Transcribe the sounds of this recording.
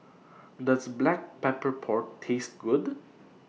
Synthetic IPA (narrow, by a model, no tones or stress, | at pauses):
dəsblæk̚pɛpəɹpʰɔɹʈtʰːest̚ɡʊd